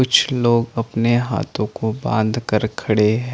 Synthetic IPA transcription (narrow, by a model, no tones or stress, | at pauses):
ʊt͡ʃʰloːɡɐpneɦa̰ːt̪ʰõkobã̰ːnd̪ʱkɐɾkʰɐɽeɦɛ̃